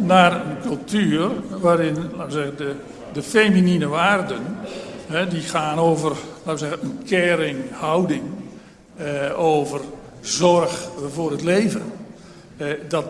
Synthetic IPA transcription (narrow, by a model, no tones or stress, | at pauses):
naːrənkɵlˠtʰyːrʋaːɾɪnlaːtəzɛɣəndə | dəfejmininəʋaːrdənɦɛdiχaːnoːvərlaːtʋəzɛɣənənkʰɛːɾɪŋhawdɪŋ | oːvər | zɔrxvʊːrətleːvən | dɔt